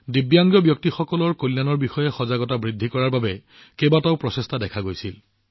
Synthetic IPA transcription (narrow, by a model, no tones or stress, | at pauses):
dibjaŋɡjɔbjɔk̚tixɔkɔlɔɹkolːjanɔɹbixɔjɛxɔzaɡɔtabɹidʱːikɔɹaɹbabɛ | kebataʊpɹɔsestadɛkʰaɡojsil